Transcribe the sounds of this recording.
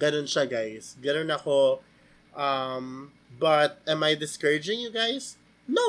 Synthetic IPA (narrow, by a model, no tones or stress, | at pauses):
ɡ̥ɐnonʃaɡajsɡɐnonɐko | ʔɐm | bɐt̪̚ɛ̃majd̪ɪskɛɹɪd͡ʒɪ̃ŋjuɡajs | no